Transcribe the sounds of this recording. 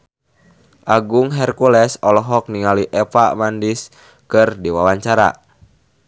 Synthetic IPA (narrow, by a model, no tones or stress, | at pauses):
ʔaɡuŋɦɛrkulɛsɔlɔɦɔk̚niŋaliʔɛpamandis | kɨrdiwawaɲt͡ʃaɾa̰